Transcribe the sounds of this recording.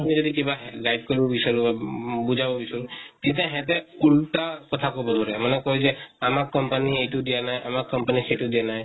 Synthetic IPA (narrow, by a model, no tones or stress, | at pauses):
amĩd͡ʒɔd̪ikibaɦɡajɖ̚kɔɾibɔbisɔɾubabud͡ʒʱabɔbisɔɾut̪it̪ãɦɛ̃t̪ɛuɽʈakɔt̪ʰakɔbɔd̪ʱɔɾɛmɔnekɔɦud͡ʒeamakːɔmpanieʈud̪ijanajʔamakkːɔmpaniseʈud̪ijanaj